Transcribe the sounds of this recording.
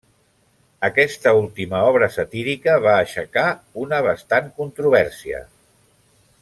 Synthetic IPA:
əkɛst̪əulˠt̪iməɔβɾəsət̪iɾikəβaːʃəkaunəβast̪aŋkunt̪ɾuβɛɾsiə̰

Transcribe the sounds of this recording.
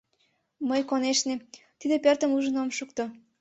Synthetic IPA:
məjkoneʃnet̪id̪epørt̪əmuʒənomʃukt̪o

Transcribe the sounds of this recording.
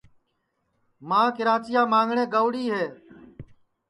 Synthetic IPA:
mãːkɪɾaːt͡ʃɪjaːmãːŋɡʱɳẽːɡəʋɽiːɦeː

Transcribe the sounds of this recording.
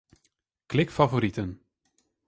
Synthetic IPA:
klɪkfavoɾitən

